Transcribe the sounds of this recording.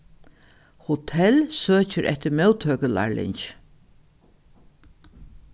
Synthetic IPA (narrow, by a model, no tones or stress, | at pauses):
hʊt̪ʰɛlsøːt͡ʃəɾʔɛ̰ht̪ɪɾmɛwt̪ʰøːkəla̰ɹlɪ̰ɲt͡ʃ